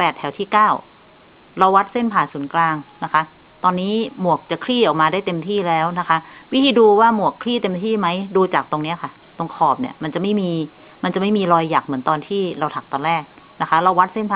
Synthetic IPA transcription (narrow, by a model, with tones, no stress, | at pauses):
pɛː˨˩t̪ʰɛ˩˦wt̪ʰiː˥˩kaː˥˩w | ɾa˧wːa˦˥t̪̚se˥˩npʰaː˨˩nsu˩˦nklaː˧ŋna˦˥kʰa˦˥ | t̪ɔː˧nːiː˦˥mu˨˩ək̚t͡ɕa˨˩kʰliː˥˩ʔɔ˨˩k̚maː˧daː˥˩jt̪e˧mt̪ʰiː˥˩lɛː˦˥wna˦˥kʰa˦˥wi˦˥t̪ʰiː˧duː˧waː˥˩mu˨˩əkʰːliː˥˩t̪e˧mt̪ʰiː˥˩ma˦˥jduː˧t͡ɕaː˨˩k̚t̪o˧ŋni˦˥ɐkʰa˥˩ | t̪o˧ŋkʰɔː˨˩p̚nḭ˦˥˩ɐma˧nt͡ɕa˨˩ma˥˩jmiː˧ | ma˧nt͡ɕa˨˩ma˥˩jmiː˧ɾɔː˧jːaː˨˩k̚mɯ˩˦nt̪ɔː˧nt̪ʰiː˥˩ɾa˧wt̪ʰa˨˩k̚t̪ɔː˧nɾɛː˥˩k̚na˦˥kʰa˦˥ɾa˧wa˦˥t̪̚se˥˩npʰaː˨˩